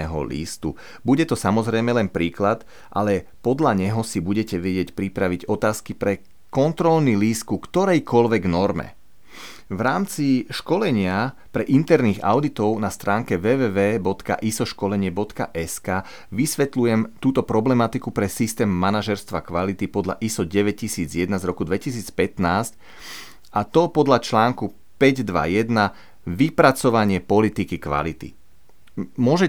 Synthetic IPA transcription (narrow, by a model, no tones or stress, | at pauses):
ɛɦɔ̰lḭːst̪ṵ | buɟɛt̪ɔsamɔzɾɛjmɛlɛnpɾiːklat̪ | ʔa̰lɛ | pɔd̪ʎaɲɛɦɔsibuɟɛcɛʋɛɟɪɛcpɾipɾaʋiɟɔt̪aːskipɾɛ | kɔnt̪ɾɔlniliːskukt̪ɔɾɛjkɔlʋɛɡnɔɾmɛ̰ | ʋɾaːmt͡siʃkɔlɛɲɪapɾɛʔint̪ɛɾniɣa̰ʊd̪it̪ɔʊnast̪ɾaːŋkɛʋɛːʋɛːʋɛːbɔt̪ka̰ʔisɔʃkɔlɛɲɪɛbɔt̪ka̰ʔɛskaː | ʋisʋɛt̪lujɛmt̪uːt̪ɔpɾɔblɛmat̪ikupɾɛsist̪ɛːmːanaʒɛɾst̪ʋakʋalit̪ipɔd̪ʎa̰ʔisɔɟɛʋɛc̚ːisiːd͡zjɛd̪nazɾɔkud̪ʋɛcisiːt͡spɛt̪naːsc | at̪ɔpɔd̪ʎat͡ʃlaːŋku | pɛɟd̪ʋa̰jɛd̪na | ʋipɾat͡sɔʋaɲɪɛpɔlit̪ikikʋa̰lit̪ḭ | mʊɔʒɛ